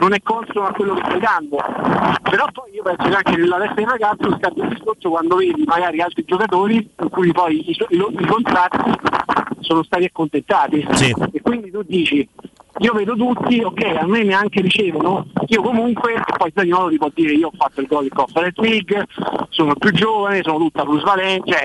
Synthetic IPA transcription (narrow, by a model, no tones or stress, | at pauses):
nonɛkːont̪ɾomakːwelːokest̪ajd̪and̪opeɾɔpːɔjiːopɛnsokeaŋkenelːalɛst̪ːad̪iraɡat̪soskad̪ːoild̪iskorsokwand̪oveːd̪imaɡaːɾialt̪ɾid͡ʒokat̪̬oːɾiiŋkuːjpɔjisiloikont̪ɾat̪ːisoːnost̪aːt̪iakːont̪ent̪aːt̪isiekwind̪it̪ud̪ːiːt͡ʃiiːovɛːd̪ot̪̬ut̪ːiokːɛjamːeneaŋkeɾit͡ʃɛːvonoiːokomuŋkweːpːɔj̪aɲimɔːd̪ot̪ipɔd̪ːiːɾeiːoɔfːat̪ːoilɡɔld̪ikɔfaɾet̪liɡsoːnopjud͡ʒːoːvanesoːnot̪ut̪ːapluzvalɛnt͡ʃɛ